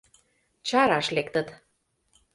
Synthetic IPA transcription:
t͡ɕɑɾɑʃlekt̪ə̆t̪

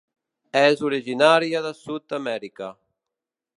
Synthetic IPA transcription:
ɛzuɾiʒinaɾjaðasut̪̚amɛɾika

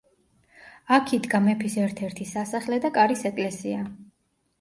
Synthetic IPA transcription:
akʰid̪ɡamɛpʰisɛɾt̪ʰɛɾt̪ʰisasaχlɛd̪akʼaɾisɛkʼlɛsia

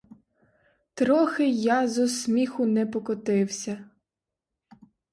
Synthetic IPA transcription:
t̪ɾɔxɪjɑzɔsmʲixʊnɛpɔkɔt̪ɪwsʲɐ

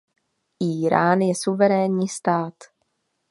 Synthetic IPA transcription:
ʔiːɾaːnjɛsuvɛɾɛːnɲiːst̪aːt̪

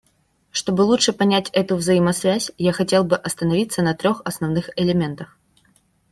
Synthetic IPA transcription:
ʂt̪o̞bɨlˠut͡ʂʂɨpɐnʲætʲɛt̪ʊvzɐjimɐsvʲæsʲjaxɐtʲe̞lˠbɨʔɐst̪ənɐvʲit̪sənɐt̪ɾʲo̞xɐsnɐvnɨxɪlʲɪmʲe̞nt̪əx

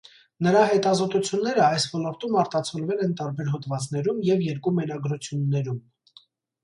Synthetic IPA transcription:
nəɾɑɦɛt̪ɑzɔt̪ut͡sʰjunːɛɾəɑjsvɔlɔɾt̪umɑɾt̪ɑt͡sʰɔlvɛlɛnt̪ɑɾbɛɾɦɔt̪vɑt͡sn̪ɛɾumjɛvjɛɾkumɛɾɑɡɾut͡sʰjunːɛɾum

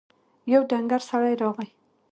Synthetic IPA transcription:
jawɖaŋɡaɾsaɽajɾɑʁaj

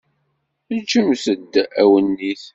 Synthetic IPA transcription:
d͡ʒəmsəd̪ːæwənːiθ

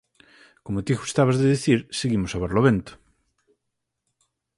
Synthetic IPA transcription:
komot̪iɣust̪aβazðeðiθiɾseɣimosaβaɾloβẽnt̪o̥

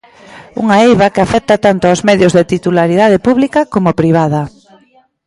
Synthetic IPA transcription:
ṵŋaejβakɪafɛk̚t̪at̪ant̪oawzmɛðjʊzðet̪it̪ulaɾið̞að̞ɪpuβlikɐkomʊpɾiβ̞aðɐ

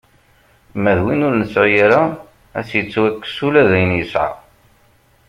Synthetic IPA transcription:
mæðwinʊɾnəsʕʊjaɾa | æ̰sjət͡sːwækːsulæðæjənjəsʕa̰

